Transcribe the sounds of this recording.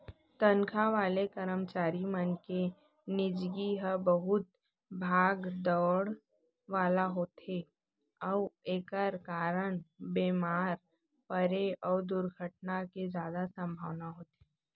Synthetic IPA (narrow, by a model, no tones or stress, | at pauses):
t̪ə̃nkʰaʋaːlekəɾəmt͡ʃaːɾimənke | nɪd͡ʒɡiɦəbəɦʊt̪ | bʱaːɡd̪ɔːɽ | ʋaːlaɦoːt̪e | ɔʋeːkəɾkaːɾəɳ̃beːmaːɾ | pəɾeɔːɾd̪ʊɾɡʱəʈ̚naked͡ʒjaːd̪asə̃mbʱaːʋnaɦoːt̪e